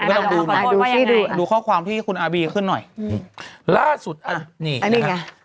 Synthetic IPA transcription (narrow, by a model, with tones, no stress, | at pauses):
ɔ˧ŋduː˧iː˥˩duː˧duː˧kʰɔː˥˩wkʰwaː˧mt̪ʰiː˥˩kʰu˧nʔaː˧biː˧kʰɯ˥˩nːɔ˨˩j | laː˥˩su˨˩t̪̚ʔa˧niː˧˩a˧niː˥˩a˧˩